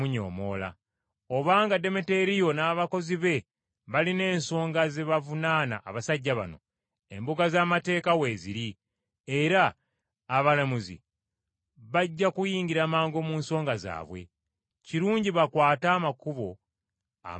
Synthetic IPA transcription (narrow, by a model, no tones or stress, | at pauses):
uɲo̰ːmo̰la̰ | oβaːŋɡade̞mete̞ɾijo̞naːβako̞ziβe̞ | βaline̞ːnso̞ːŋɡaze̞βavunaːna̰ʔːβasaɟːaβa̰no̞̰ | e̞mbuɡazaːmate̞ːkawe̞ːzḭɾi | e̞ɾaː | βalamuzḭ | βaɟːakujiːɲɡiɾaːmaːŋɡo̞muːnso̞ːŋɡaza̰ːβwe̞̰ | ciɾuːɲɟiβakwaːtaːmakuβo̞ | a̰